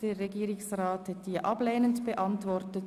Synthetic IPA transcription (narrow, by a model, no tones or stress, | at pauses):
d̥eːɾʁɛɡiːɾɪsrɑːthɛtiːəʔɑbleːnəntb̥əʔɑntvɔɾtət